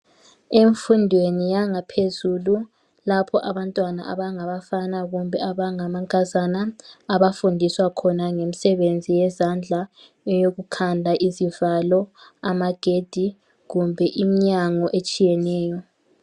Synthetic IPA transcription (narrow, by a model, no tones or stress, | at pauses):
eɱfundʱwenijaŋapʰezulu | lapʰɔʔaβantʼwana̰ʔa̰βaŋaβafanaɣumbʱɛaβaŋamaŋkʼazanaːβafundʱiswakʰɔnaŋem̩sɛβend͡zʱijɛzand͡ɮʱa | joɣukʰandʱaʔizivalɔamaɡ̥ʱed̥ʱi | ɣumbʱɛʔimiɲaŋɔʔet͡ʃʼijɛnɛːjɔ